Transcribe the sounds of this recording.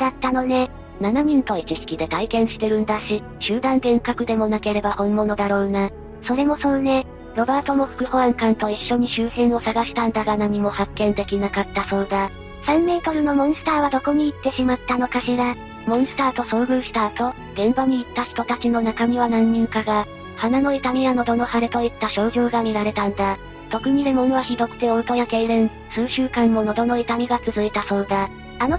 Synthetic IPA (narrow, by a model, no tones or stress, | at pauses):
d̪̥at̪ːano̞ne̞ | nanaɲʲĩnt̪o̞it͡ɕiɕi̥kʲid̪e̞t̪aikẽ̞ɰ̃ɕi̥t̪e̞ɾɯ̟̃nd̪aɕi | ɕɨːd̪ãŋd̪ẽ̞ŋkakɯ̟d̪e̞mo̞nake̞ɾe̞bahõ̞mːo̞no̞d̪aɾo̞ːna | so̞ɾe̞mo̞sõ̞nne̞ | ɾo̞baːt̪o̞mo̞ɸɯ̥kɯ̟hoãŋkãnt̪o̞iɕːo̞ɲ̟iɕɨːɕĩɰ̃o̞saɡaɕi̥t̪ãnd̪aɡanamʲimo̞hakːẽ̞nd̪e̞kʲinakat̪ːaso̞ːd̪a | sãmːe̞ːt̪o̞ɾɯ̟no̞mõ̞ɰ̃sɨ̥t̪aːβad̪o̞ko̞ɲ̟iːt̪ːe̞ɕimat̪ːano̞kaɕiɾa | mõ̞ɰ̃sɨ̥t̪aːt̪o̞sõ̞ːɡɯ̟ɕi̥t̪aːt̪o̞ | ɡ̥̪ẽ̞mbaɲ̟iːt̪ːaçi̥t̪o̞t̪at͡ɕino̞nakamʲiβ̞anãɲ̟ːĩŋkaɡa | hanano̞it̪aɾʲiano̞d̪o̞no̞haɾet̪o̞it̪ːaɕo̞ːʑoːɡamʲiɾaɾe̞t̪ãnd̪a | t̪o̞kɯ̟ɲ̟id̪e̞mo̞noβaçid̪o̞kɯ̟̥t̪e̞ot̪o̞jake̞iɾẽɰ | sɨːɕɨːkãmːo̞nod̪o̞no̞it̪amʲiɡat͡sɨzɨit̪asõ̞nd̪aː | no